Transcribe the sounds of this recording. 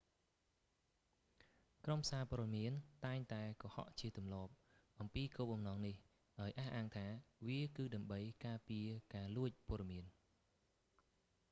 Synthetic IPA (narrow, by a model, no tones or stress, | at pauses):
krompʰə̥saːpɔ̆əɗɑmiənt̪aɛŋt̪aɛkɑhɑ̰ʔt͡ɕiət̪umlŏəp̚ | ʔɑmpiːkoːp̚ɓɑmnɑːŋnih | ɗaɔjʔaːhʔaːŋt̪ʰaːʋiəkɨːɗaəmɓəjkaːpiəkaːluəc̚poəɗɑmiən